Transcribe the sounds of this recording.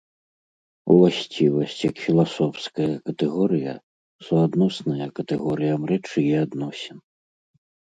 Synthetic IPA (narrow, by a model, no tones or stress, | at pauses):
ṵlˠasʲt͡sʲivɐsʲt͡sʲjɐkfʲilˠasɔfskɐjɐkɐt̪ɛɣɔɾɨjɐ̰ | suad̪nɔsnɐjɐkɐt̪ɛɣɔɾɨjɐmrɛt͡ʂɨjɛad̪nɔsʲɛn